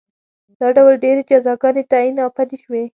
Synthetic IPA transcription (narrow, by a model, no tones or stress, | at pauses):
d̪̥ɑɖawlɖeɾed͡ʒazɑɡɑnet̪ainɑpad̪iʃwe